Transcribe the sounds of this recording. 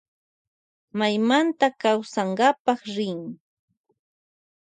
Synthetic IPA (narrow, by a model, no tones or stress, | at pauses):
majmant̪akawsaɴɢɑpɑχɾɪŋ